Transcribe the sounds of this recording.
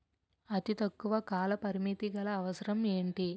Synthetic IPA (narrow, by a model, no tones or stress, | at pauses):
ɐt̪it̪ɐkːuʋɐkaːlɐpɐɾimit̪iɡɐlɐːʋɐsɐɾɐme̞ːɳʈi